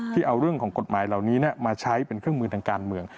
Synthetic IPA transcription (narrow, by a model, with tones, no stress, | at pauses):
t̪ʰiː˥˩ʔa˧wɾɯ˥˩əŋkʰɔː˩˦ŋko˨˩t̪̚maː˩˦jla˨˩wniː˦˥ni˥˩ɐmaː˧t͡ɕʰa˦˥jpe˧nkʰɯ˥˩əŋmɯː˧t̪ʰaː˧ŋkaː˧nmɯ˧əŋ